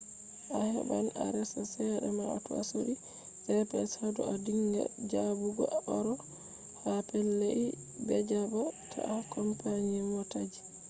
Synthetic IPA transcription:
ʔahɛ̰bana̰ɾɛsasɛɗɛmaa̰tua̰soɗi | ʔɛpɛshadɔadiŋɡɛ̰d͡ʒabuɡɔʔɔɾɔ | hapɛlːei | bɛd͡ʒabɔtʰa̰ʔakɔmpaɲimɔtad͡ʒi

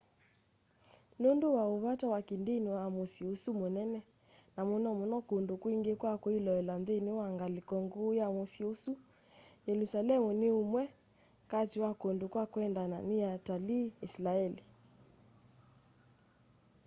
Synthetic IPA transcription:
nondowaoβatawakindeniwamosiusumonɛnɛ | namunɔmunɔkondokwiŋɡekwakoilɔɛlamðeniwaŋɡalikɔŋɡojamosiusu | jɛlusalɛmuneumwɛ | katiwakondokwakwɛndananijataliːslaɛli

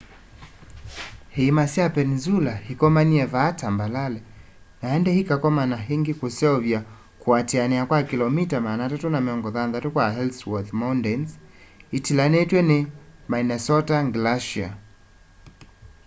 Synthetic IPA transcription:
hiːmasiapɛnzulahikɔmaniɛvaːtʰambalalɛ | naɛndɛhikakɔmanaɦiŋɡikusɛɔvja | kuatɛanɛakwakilɔmitamaːnatatunamiɔŋɡɔðanðatukwaɦɛlswɔθmaundɛns | itilanɛtwɛnɛmainɛsɔtaŋɡlaʃia̰

